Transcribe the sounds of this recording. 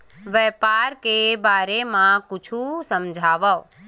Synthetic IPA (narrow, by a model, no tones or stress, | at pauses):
ʋɛːpaːɾkebaːɾemãkʊt͡ʃʰusəmd͡ʒʱaːʋa